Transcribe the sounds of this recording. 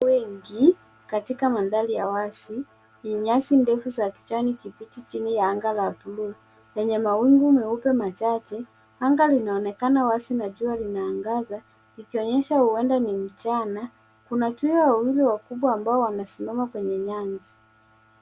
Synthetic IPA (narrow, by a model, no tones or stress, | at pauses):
wɛŋɡi | katikamanðalijawasi | nɲasindɛfuzaki̥t͡ʃanikipitit͡ʃinijaaŋɡalaːpulua | jɛɲɛmawiŋɡumɛupɛmat͡ʃat͡ʃɛ | aŋɡalinaɔnɛkanawasinaʄualinaːŋɡaza | ikiɔɲɛʃahuwɛndanim̩t͡ʃana | kunatuiɔwawiliwakuɓwaːmbaɔwanasimamakwɛɲɛɲanzi